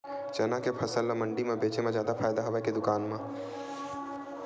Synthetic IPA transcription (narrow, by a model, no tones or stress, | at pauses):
t͡ʃɐnakepʰɐsəlːamə̃ɳɖimẽbeːt͡ʃemẽzjaːd̪apʰaːjd̪aɦɐʋeked̪ʊkaːnmẽ